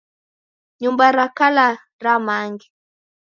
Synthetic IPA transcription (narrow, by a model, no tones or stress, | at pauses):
ɲumbaɾakala | ɾamaŋɡi